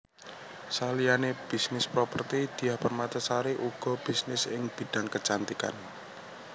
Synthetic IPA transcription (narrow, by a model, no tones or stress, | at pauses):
salijaneb̥i̤snɪspɾopərt̪id̪̥i̤jahpərmat̪əsaɾeʔuɡ̥ɔ̤b̥i̤snɪsɪŋb̥i̤ɖ̥aŋkət͡ʃant̪ika̰n